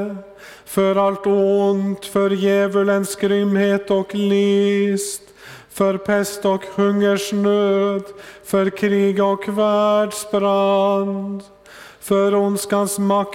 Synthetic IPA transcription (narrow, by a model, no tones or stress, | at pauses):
fœɾalt̪ʊnt̪fœɾjæːvələnskɾʏmheːt̪ɔklɪst̪ | fœɾpʰɛst̪ɔkhɵŋːəʂɳøːd̪fœɾkʰɾiːɡɔkvæɖsbɾand̪ | fœɾʊnskansmak